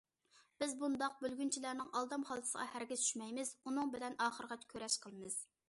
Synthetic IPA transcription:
b̥ɪzbund̪ɑq̚bølɡʲynt͡ʃʰilæɾnɪŋɑlˠd̪ɑmχɑlˠd̪ʰɨ̥sə̰ʁɑ̰hæɾɡʲɪz̥t͡ʃ̪ʰy̥ʃmɛjmɪzunɨŋbɪlɛnɑːχəɾəʁɑt̪ʰkʲʰøɾɛʃqʰəlˠɨmɨz̥

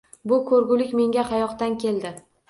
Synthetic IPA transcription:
bʊkʰɵɾɡʲʊlɪkʲme̞ŋɡʲaχɑjɒqt̪ankʲʰe̞ld̪ɪ

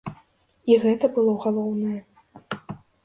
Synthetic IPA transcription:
iɣɛt̪ɐbɨlˠɔɣalˠɔwnɐjɛ

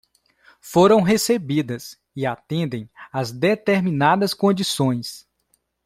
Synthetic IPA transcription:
foɾɐ̃w̃ɦesebid̪ɐs | ɪat̪ẽnd̪ẽj̃ɐzd̪et̪eɾminad̪ɐskõd͡ʒisõj̃s

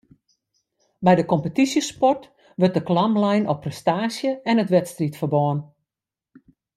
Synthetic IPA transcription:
bɛjdəkɔmpətisjəspɔrt | ʋørt̚dəklɑmlɛjnɔpːrɛstaːsjəɛnətʋɛtstritfərbɔːən

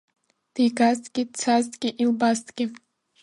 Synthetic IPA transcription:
d̥iɡaztʼɡʲit͡sʰaztʼɡʲɪʔilbaztʰʼɡʲɪ

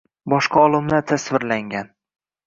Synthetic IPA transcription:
bɒʃqɑɒlˠɪmnat̪ʰasvɪɾlaŋɡʲan

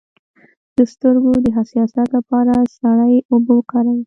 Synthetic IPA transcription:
d̪̥əst̪əɾɡod̪əɦasjɑsat̪lapɑɾasaɽajobokɑɾawi

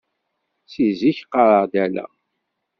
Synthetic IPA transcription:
siziçqːɑɾˤəʁd̪ælæ̰

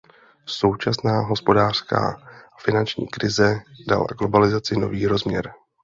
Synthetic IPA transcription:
so̞wt͡ʃasnaːɦo̞spo̞daːr̝̥ska̰ː | fɪnant͡ʃɲḭːkɾɪzɛda̰la̰ɡlo̞balɪzat͡sɪno̞viːɾozmɲɛɾ

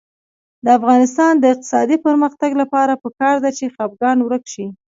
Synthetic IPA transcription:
d̪əafɣɑnɪst̪ɑnd̪əɪq̚t̪ɪ̥sɑd̪ipəɾməxt̪aɡlapɑɾapəkɑɾd̪at͡ʃexab̚ɡɑnwɾəkʃi

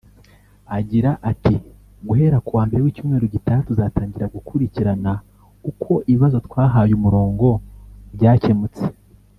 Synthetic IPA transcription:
aɟiɾaʔati | ɡuɦe̞ɾakuwaːmbe̞ɾewiːcuːmŋe̞ːɾoɟitatuzaːtaːɲɟiɾaɡukʰuɾiciɾana | ukʰo̞ʔiβiβazo̞twaːɦajumuɾo̞ːŋɡo̞bɟaːce̞mut͡se̥

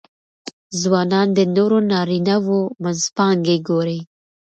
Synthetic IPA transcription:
zwɑːnɑːnd̪ənoɾonɑːɾinawomanzpɑːŋɡeɡoɾe

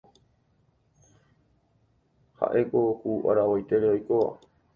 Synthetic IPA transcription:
ha̰ʔekohuʔa̰ɾawojt̪eɾeojkoa̰

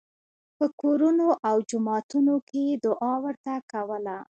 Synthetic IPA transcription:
pəkoɾunoʔawd͡ʒʊmɑt̪unoked̪ʊʔɑwəɾt̪akawəla

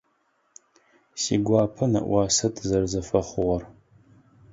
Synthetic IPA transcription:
siɡʷaːpʰɐnɐ̰ʔʷwaːsɐtʰzɐrzɐfɐχʷʊʁɐr

